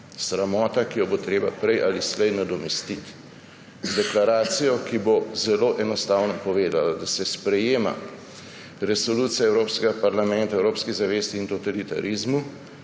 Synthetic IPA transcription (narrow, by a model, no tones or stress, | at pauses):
sɾamɔːt̪akijɔbot̪ɾeːba̰pɾɛjʔaːlislɛjnad̪ɔmɛst̪it̪ | zd̪ɛklaɾaːt̪sijɔkibozɛloːʔɛnɔst̪aːwnɔpɔʋeːd̪alad̪asɛspɾɛjeːma̰ | ɾɛsɔluːt̪sijaɛwɾoːpskɛɡapaɾlamɛnt̪aɛwɾoːpskizaʋeːst̪iːnt̪ot̪alit̪a̰ɾʔizmu